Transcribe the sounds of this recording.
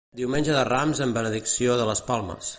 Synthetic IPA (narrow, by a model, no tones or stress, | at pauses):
d̪iwmenʲʒəðəramzəmbənəðiksioðələspalˠmə̰s